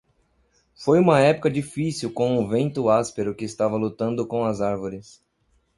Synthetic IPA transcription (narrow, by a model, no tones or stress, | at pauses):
fojũmɐɛpʊ̥kɐd͡ʒifisiwkõʊvẽnt̪ʊaspeɾʊkɪːst̪avɐlut̪ɐ̃nd̪ʊkõw̃ɐzaɾvoɾɪs